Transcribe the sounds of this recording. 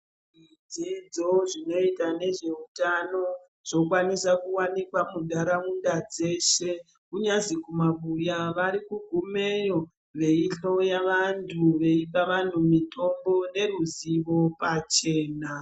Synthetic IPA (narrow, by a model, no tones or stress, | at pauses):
ʐid͡zid͡zo̞ʐino̞itane̞ʐe̞utano̞ | ʐ̥o̞kwanisakuwanikwamundʱaɾaundad͡ze̞ʃe̞ | kuɲazikumaβujaʋaɾikuɡʱumejo̞ | ʋe̞iɬo̞jaʋantʰuʋe̞ipaʋan̤umitʰo̞mbo̞ne̞ruziʋo̞pat͡ʃe̞ːna